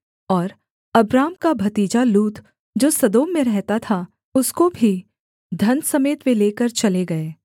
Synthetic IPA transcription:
ɔːɾ | ɐbɾaːmkabʱɐt̪iːd͡ʒaluːt̪ | d͡ʒoːsɐd̪oːmːẽɾɛɦt̪at̪ʰa | ʊskobʱi | d̪ʱɐnsɐmeːt̪ʋẽleːkəɾt͡ʃɐleɡɐeː

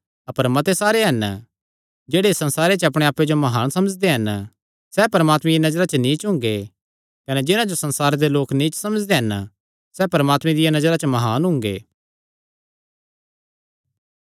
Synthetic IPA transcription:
ɐpəɾmɐt̪esaːɾeɦɐn | d͡ʒeːɽesɐ̃nsaːɾet͡ʃɐpɽ̃eaːpːed͡ʒomɐɦaːnsɐməd͡ʒd̪eɦɐn | sɛpɐɾəmaːt̪mẽjinɐd͡ʒɾat͡ʃənĩːt͡ʃɦʊ̃ŋɡe | kɐned͡ʒɪnãd͡ʒosɐ̃nsaːɾed̪eloːknĩːt͡ʃsɐməd͡ʒd̪eɦɐn | sɛːpɐɾəmaːt̪mẽd̪ɪjanɐd͡ʒɾat͡ʃəmɐɦaːnɦʊ̃ŋɡḛː

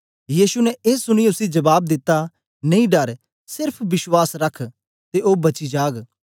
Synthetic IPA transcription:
jiːsunɛeːsʊɽ̃iʊsid͡ʒɐbaːb̚d̪ɪt̪ːa | nɐĩɖɐɾ | sɪɾpʰbɪswaːsɾɐkʰ | t̪eʔoːbɐt͡ʃid͡ʒaːɡ

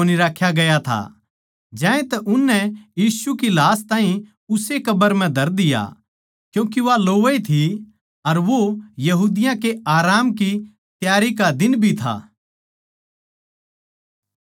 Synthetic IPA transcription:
oːniɾaːkʰːjaɡɐjat̪ʰa̰ | d͡ʒɛ̃ːẽt̪ɛʔʊnːɛjiːsukilaːst̪ãːɦĩ | ʊsekɐbəɾm̤ɛ̃d̪ʱɐɾd̪ɪja̰ | kjũːk̬iʋaloːʋit̪ʰi | ɐɾʋojɐɦuːd̪ɪjãkeʔaːɾaːmki | t̪jaːɾikad̪ɪnbʱit̪ʰa̰ː

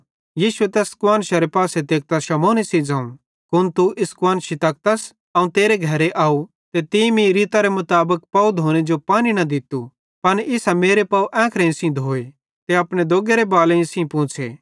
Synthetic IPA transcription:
jiːʃuet̪ɛskʊwaːnʃaɾepaːset̪eːk̚t̪aʃɐmoːnisid͡zãːũ | kʊnt̪uʔɪskʊʋaːnʃit̪ɐk̚t̪ɐs | ɐũt̪eːɾeɡʱɐɾeʔaːu | t̪et̪imĩɾiːt̪aɾemʊt̪aːbək̚pɐud̪ʱoːñed͡ʒopaːñinɐd̪ɪt̪u | pɐnɪsameːɾepɐuʔɛ̃ːkʰɾẽɪ̃sĩd̪ʱoːe | t̪eɐpɽ̃ed̪oːɡeɾebaːlẽɪ̃sĩpʊ̃ːt͡ʃʰeː

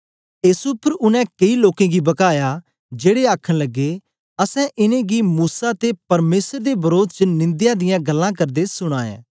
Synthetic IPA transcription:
eːsʊpʰɾʊnɛ̃kɐiloːkẽɡibɐkaːja | d͡ʒeːɽeaːkʰəɽ̃lɐɡːe | ɐsɛ̃ʔɪnẽɡimuːsat̪epɐɾmeːsəɾd̪ebɐɾoːd̪t͡ʃənɪ̃nd̪jãd̪ɪjãɡɐlːãk̬ɐɾd̪esʊɽ̃aːḛ̃ː

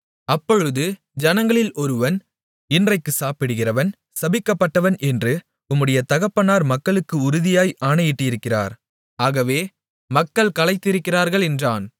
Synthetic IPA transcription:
ɐpːɔɻɯðɯ | d͡ʒɐnɐŋɡɐɭɪlʔɔɾɯʋɐn | ɪndrɐɪkːɯsaːpɪɽɯɣɪrɐʋɐn | sɐbɪkːɐpːɐʈːɐʋɐnʔɛndrɯ | ʊmːɯɽɐjɐt̪ɐɣɐpːɐnaːɾmɐkːɐɭɯkːɯʊɾɯðɪjaːjʔaːɳɐjɪʈːɯɪjɪɾɯkːɪra̰ːɾ | aːɣɐʋeː | mɐkːɐɭkɐlɐɪt̪ːɪɾɯkːɪraːɾɣɐɭɛndraːn

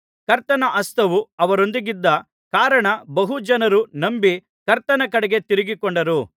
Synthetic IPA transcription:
kɐɾt̪ɐnɐʔɐst̪ʰɐʋuɐʋɐɾo̞nd̪iɡid̪ːɐ | kaːɾɐɳɐbɐɦud͡ʒɐnɐɾunɐmbi | kɐɾt̪ɐnɐkɐɽɐɡe̞t̪iɾiɡikoɳɖɐɾu

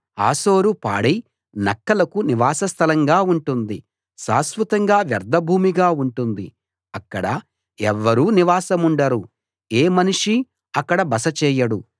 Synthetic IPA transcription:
a̰ːso̞ːɾupa̰ːɽej | nɐkːɐlɐkuniʋaːsɐst̪ʰɐlɐŋɡaːuɳʈund̪i | sa̰ːsʋɐt̪ɐŋɡaːʋjɐɾd̪ʱɐbʱuːmiɡaːuɳʈund̪i | ɐkːɐɽɐ | ɛʋːɐɾuːniʋaːsɐmuɳɖɐɾu | eːmɐniʂi | ɐkːɐɽɐbɐsɐt͡ʃɛːjɐɽu

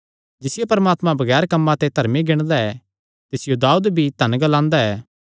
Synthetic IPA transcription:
d͡ʒɪsɪjepɐɾɐmaːt̪mãbɐɡɛːɾkɐmːãt̪et̪ɐɾmiɡɪɽ̃d̪aɛ | t̪ɪsɪjod̪aːud̪bʱit̪ɐ̃nɡɐlãːnd̪aɛː

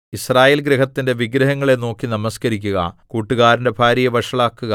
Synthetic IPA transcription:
israːjeːlɡɾeɦɐt̪ːinde̞ʋiɡɾɐɦɐŋːɐɭe̞no̞ːkːinɐmɐskɐɾikʲːuɣɐ̰kuːʈːuɣaːɾinde̞bʱaːɾijɐʋɐʂɐɭaːkːuɣɐ

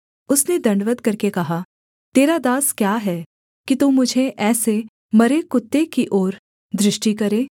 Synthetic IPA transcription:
ʊsned̪ɐ̃ɳɖʋəd̪kɐɾkekɐɦa | t̪eːɾad̪aːskjaːɦɛː | kit̪uːmʊd͡ʒʱeʔɛːse | mɐɾekʊt̪ːekiʔɔːɾ | d̪ɾɪʃʈikɐɾeː

